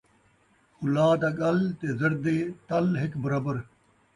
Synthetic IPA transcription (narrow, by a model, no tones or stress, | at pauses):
xʊlaːd̪aːɡɐlt̪eːzɐɾd̪eːt̪ɐlɦɪkbɐɾaːbəɾ